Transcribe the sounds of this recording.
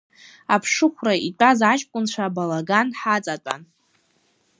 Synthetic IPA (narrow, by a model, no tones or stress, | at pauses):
apʰʂɨχʷraitʷʼazat͡ʃʼkʷʼʊnt͡ʃʷʰabalaɡanħat͡sʼat͡pʷʼa̰n